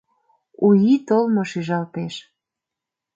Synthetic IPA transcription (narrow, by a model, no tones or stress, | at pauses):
ujit̪olmoʃiʒɑlt̪eʃ